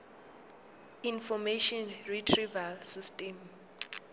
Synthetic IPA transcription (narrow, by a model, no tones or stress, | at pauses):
infɔmeʃɔnritʰrivalsistʼɛm